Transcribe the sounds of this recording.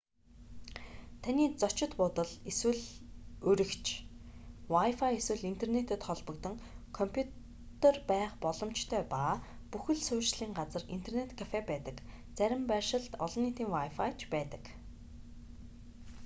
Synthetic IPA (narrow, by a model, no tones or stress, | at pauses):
t̪ʰaniːt͡sɔt͡ɕɪ̆t̪pʊt̪ə̆ɮeswɘ̆ɮɵɾʲɪ̆kt͡ɕʰ | wajfajeswɘ̆ɮint̪ʰernet̪ə̆t̪χɔɮpɞ̆kt̪ə̆ŋkʰɔmpʰjut | t̪ʰerpæːχpɔɮɞ̆mt͡ɕt̪ʰœːpaː | puxɘ̆ɮsʊːt͡ɕɮiːŋɢat͡sə̆rin̥t̪ʰernet̪kʰafepæːt̪ə̆k | t͡sæɾʲɪ̆mpæʃɪ̆ɮt̪ɔ̰ɮɞ̆nːiːt̪ʰiːŋwajfajt͡ɕpæːt̪ə̥̆k